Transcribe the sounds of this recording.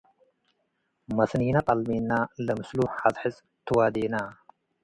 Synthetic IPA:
mɐsnijnat̪ʼalminːalɐmɨsluħazħɨt͡sʼ | t̪ʰɨwad̪ina

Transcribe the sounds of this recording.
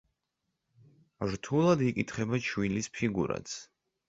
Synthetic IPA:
ɾt̪ʰulˠad̪ikʼit̪ʰχɛbat͡ʃʰwilispʰiɡṵɾa̰t̪sʰ

